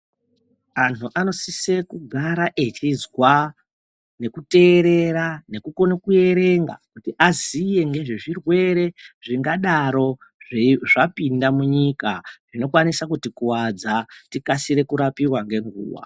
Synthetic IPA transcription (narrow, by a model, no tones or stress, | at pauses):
antuʔano̞sise̞kuɡʱaɾaʔet͡ʃizwa | ne̞kute̞ːɾe̞ɾane̞kuko̞nekuje̞ɾe̞ŋɡa̰kutiʔazije̞ŋɡe̞ʐeʐirwe̞ɾe̞ʐiŋɡaɗaɾo̞ʐeʐapindamuɲikaʐ̥ino̞kwanisakutikuwad͡zatikasiɾe̞kuɾapirwaŋɡe̞ŋɡṵːwa̰